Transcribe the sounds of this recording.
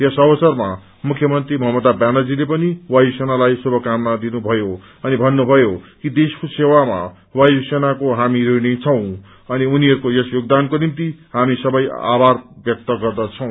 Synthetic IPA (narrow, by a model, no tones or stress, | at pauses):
jʌsʌbʌsʌrma | mukʰjʌmʌnt̪rimʌɦʌmʌd̪abjanad͡zilepʌniwajsenalajsubʱʌkamnad̪inubʱʌjo | ʌnibʱʌnːubʱʌjokid̪eskusewama̰ | wajsenakoɦamiɾoinet͡sʰʌw̃ | ʌniuniɦʌɾukojʌsjoɡ̚d̪ankonimt̪iɦamisʌbʌja̰barbjʌk̚t̪ʌɡʌrd̪at͡sʰʌ̃w̃